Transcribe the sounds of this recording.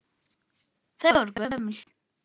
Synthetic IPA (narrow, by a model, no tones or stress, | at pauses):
θæɾɡææməɬ